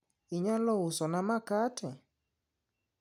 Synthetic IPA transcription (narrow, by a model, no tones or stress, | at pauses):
iɲalɔwusɔnamakatʰɛ